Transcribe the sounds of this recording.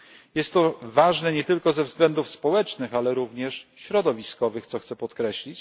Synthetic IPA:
jɛst̪ːɔvaʐnɛɲɛt̪ɘlkɔzɛvzɡlɛnd̪ufspɔwɛt͡ʂnɘxalɛɾuvɲɛʂɕɾɔd̪ɔvʲiskɔvɘxt̪sɔxt̪sɛpɔt̪kɾɛɕlʲit͡ɕ

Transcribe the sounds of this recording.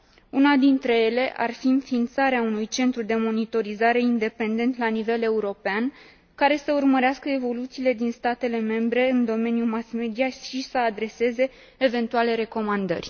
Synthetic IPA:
unad̪int̪ɾe̞je̞le̞ʔa̰rfiɨnfint̪saɾeaunujt͡ʃe̞nt̪ɾud̪e̞mo̞nit̪o̞ɾizaɾe̞ind̪e̞pe̞nd̪e̞nt̪lanive̞le̞uɾo̞pean | kaɾe̞səurməɾeaskəe̞vo̞lut̪siːle̞d̪inst̪at̪e̞le̞me̞mbɾe̞ɨnd̪o̞me̞njumasme̞d̪ijaʃisəad̪ɾe̞se̞ze̞ː | ve̞nt̪uale̞ɾe̞ko̞mand̪ə̰rʲ

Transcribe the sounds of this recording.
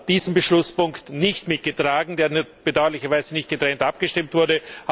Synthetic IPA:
d̥iːzəmbəʃlʊspʊŋktnɪçtmɪt̚ɡ̥ətʁ̥aːɡŋ̩deːɐnb̥ədaʊɐlɪçɐvaɪzənɪçt̚ɡ̥ətʁ̥ɛntʔapɡ̥əʃtɪmtv̥ʊɐdə

